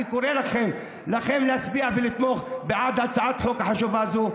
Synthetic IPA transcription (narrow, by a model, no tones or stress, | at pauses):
ikoɾelaχe̞m | laχemlehat͡sbiavelit̪mo̞χbeʕad̪hat͡saʕat̪ħo̞kaħaʃuvazu